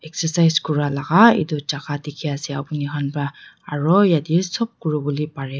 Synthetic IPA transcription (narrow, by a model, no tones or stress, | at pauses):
ɛksɛsajzkɔɹalaɡaḭdɔzaɡadikʰiasɛapuniɦanba | aɹɔjadisɔb̚kuɹɔbɔlipaɹɛ